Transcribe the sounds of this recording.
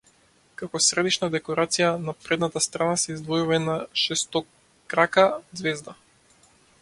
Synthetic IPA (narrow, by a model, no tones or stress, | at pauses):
kakɔsɾɛd̪iʃnad̪ɛkɔɾat̪sijanapɾɛd̪nat̪ast̪ɾanasɛizd̪vɔjuvanaʃɛst̪ɔ | kɾakad̪zvɛzd̪a